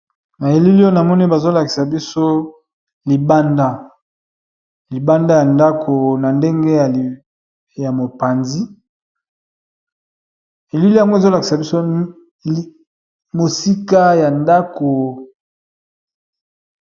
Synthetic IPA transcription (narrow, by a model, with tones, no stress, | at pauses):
na˨je˨li˦li˦o˦na˨mɔ˦ni˦o˦ba˨zo˦la˨ki̥˨sa˨bi˦so˦ | li˨ba˦nda˦ | li˨ba˦nda˦ja˨nda˦kʰo˨na˨nde˦ŋɡe˦˨ | ja˨mo˨pa˨nzi˦ | e˨li˦li˦a˨ŋɡo˦e˨zo˦la˨ki˨sa˨bi˦so˦ | mo˨si˦ka˦ja˨nda˦ko˨